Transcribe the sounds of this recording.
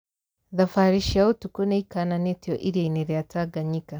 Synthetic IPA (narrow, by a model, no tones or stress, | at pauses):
ðafaɾiʃiaotukoneikananetioʔiɾjeneɾiataɡaɲika